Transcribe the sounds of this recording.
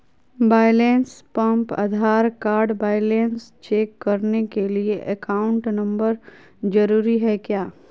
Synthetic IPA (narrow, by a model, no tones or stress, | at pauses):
baːɪleːnspɐ̃mpɐ̰d̪ʱaːɾkaːɾɖbaːɪleːnst͡ʃeːkːɐɾnekelieʔɛkaːʊ̃ɳʈnɐ̃mbəɾ | d͡ʒɐɾuːɾiɦɛkjaː